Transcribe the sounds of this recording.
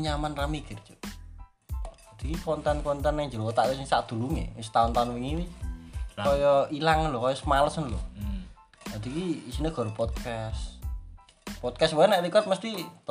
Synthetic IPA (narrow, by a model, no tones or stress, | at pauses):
ɲamanramiɡ̥ərt͡ʃo̥ | ad̪̥ikikɔnt̪ɛnkɔnt̪ɛnɛŋd͡ʒəɾot̪aʔwisɪŋsaʔd̪̥ṳluŋḛst̪aʊnt̪aʊnwiŋiwit͡ʃkkɔjɔilaŋənlʊkɔjɔsəmaləsənlʊ | ad̪̥ikiisineɡ̥ɔ̤ɾupɔd̪̚kas | pɔd̪̚kasbaɛnaʔlikɔt̪̚məst̪i